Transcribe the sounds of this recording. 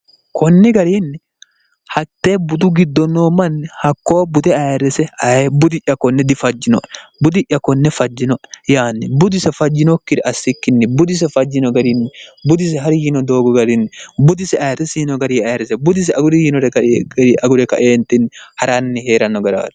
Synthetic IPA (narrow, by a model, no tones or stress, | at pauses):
kʰɔnːɛɡɐɾiːnːɛ | hɐt̪ːeːbʊd̪ʊɡɪd̪ːɔnːoːmɐnːɛhɐkːo̞ːbʊd̪ɛɐjɾɛsɛɐbʊd̪ɪʔʲːɐkːɔnːɛd̪ɪfɐd͡ʒːɪnɔʔɛbʊd̪ɪʔːɐkːɔnːɛfɐd͡ʒːɪnɔʔɛjaːnːɛbʊd̪ɪsɛfɐd͡ʒːɪnɔkːɪd̪ɛʔɐsːɪkːɪnːɛbʊd̪ɪs̬ɛfɐd͡ʒːɪnɔɡɐɾiːnːɛbʊd̪ɪs̬ɛɦɐɾɪjiːnɔd̪o̞ːɡɔɡɐɾɪnːɛbʊd̪ɪsɛɐjɾɛsiːnɔɡɐɾiɐjɛɾɛsɛbʊd̪ɪs̬ɛɐɡʊɾɛjiːnɔɾɛkɐɾɐɡʊɾɛkɐ̰ʔeːnt̪ːɪnːhɐɾɐnːɛheːɾɐnːɔɡɐɾa̰ːt̪